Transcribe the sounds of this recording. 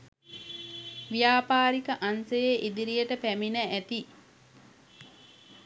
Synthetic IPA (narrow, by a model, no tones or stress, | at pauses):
ʋijaːpaːɾikəʔansejeʔid̪iɾijəʈəpæminəʔæt̪i